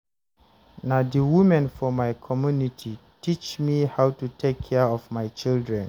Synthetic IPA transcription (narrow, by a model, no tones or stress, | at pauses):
nãdəwumɛ̃nfɔmaɪkʰɔmjunitʰitʰit͡ʃmihawtutʰekʰːɛɔvmaɪt͡ʃildɹɛ̃n